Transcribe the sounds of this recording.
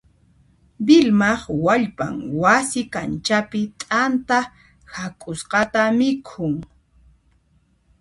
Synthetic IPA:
bɪlmɑχwaʎpa̰ŋwasɪkant͡ʃapɪt̪ʼant̪a | hakʼʊsqɑt̪amɪkʰʊŋ

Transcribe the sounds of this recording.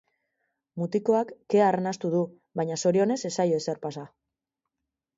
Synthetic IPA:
mut̪iko̞akːe̞aːrenast̪uðu | βajɲaso̞ɾio̞ne̞se̞sajoe̞se̞ɾpasa

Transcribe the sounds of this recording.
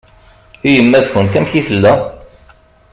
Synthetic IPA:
ijəmːæðçənt̪æmçifəlːæ

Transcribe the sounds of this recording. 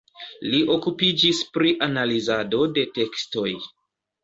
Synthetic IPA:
liʔo̞kupid͡ʒispɾiʔanalizado̞de̞te̞ksto̞j

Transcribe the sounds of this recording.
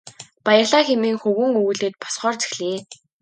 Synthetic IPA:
pajə̆rɮaːxemeːŋxɵɣɵ̆ŋuɣ̆ɮeːt̪̚pɔ̥sχɔːrt͡se̥xɮiː

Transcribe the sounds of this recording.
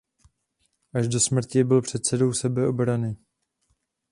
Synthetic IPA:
ʔaʒdo̞smr̩cɪbɪlpr̝̥ɛt̪sɛdo̞wsɛbɛʔobɾanɪ

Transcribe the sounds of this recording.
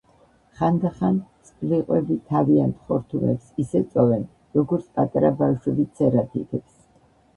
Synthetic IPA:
χand̪aχant̪sʼpʼliqʼwɛbit̪ʰaviant̪χɔɾt̪ʰumɛ̰psisɛt̪sʼɔvɛn | ɾɔɡɔɾt̪sʰpʼat̪ʼaɾabafʃwɛbit̪sʰɛɾat̪ʰit̪ʰɛps

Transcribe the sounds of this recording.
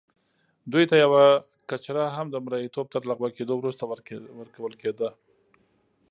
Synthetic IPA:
d̪ujt̪ajawa | kat͡ʃɾaɦamd̪əmɾahit̪ob̚t̪əɾlaɣbaked̪owɾust̪awəɾkawəlked̪a

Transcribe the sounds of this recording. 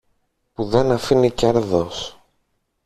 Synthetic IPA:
puðe̞nɐfinice̞ɾðo̞s

